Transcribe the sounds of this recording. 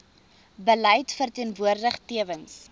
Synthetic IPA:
bəlɛjtfərtiənvuərdəχtiəvəns

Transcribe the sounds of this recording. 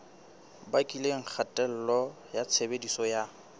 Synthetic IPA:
bakʼileŋ̩k͡xʰatʼɛl̩lɔ | jat͡sʰebedisɔja

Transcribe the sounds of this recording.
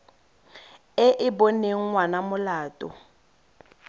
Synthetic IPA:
ɪʔɪboneŋ̩ŋwanamʊlaːtʼɔ̰

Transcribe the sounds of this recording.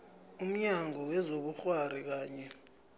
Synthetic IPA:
um̩ɲaŋʱɔwɛzoɓuxwaɾik̬aːɲɛ

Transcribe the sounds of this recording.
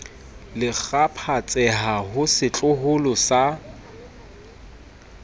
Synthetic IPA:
lɪk͡xapʰat͡sʼɛɦahʊsɪt͡ɬʼʊɦʊlʊsa

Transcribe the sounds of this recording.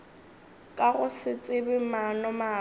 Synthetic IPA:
kʼaɣʊsɪt͡sʼɪbɪmanɔmaː

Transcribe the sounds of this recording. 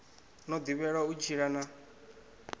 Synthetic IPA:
nɔd̪iβɛɺaut͡ʃʰiɺana

